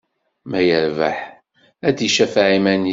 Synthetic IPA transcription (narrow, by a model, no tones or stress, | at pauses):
mæjəɾva̰ħ | æd̪iʃæfʕimæn